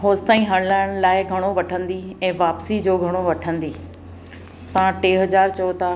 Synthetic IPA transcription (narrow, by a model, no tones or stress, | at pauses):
ɦoːst̪aːĩɦɐ̃ɽ̃laːɪɽ̃laːɪɡʱɐɽ̃oʋɐʈʰə̃nd̪iɛ̃ːʋaːpsid͡ʑoːɡʱɐɽ̃oʋɐʈʰə̃nd̪iː | t̪ɐʋ̤ãʈeːɦɐd͡ʑaːɾt͡ɕɐot̪ʰa